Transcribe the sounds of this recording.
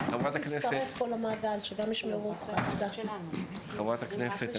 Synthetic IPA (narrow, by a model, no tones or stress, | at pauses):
χavʁat̪aknest̪aeefko̞lamaːɡalʃeɡamiʃmeʁuot̪χad̪aχiχavʁat̪akneset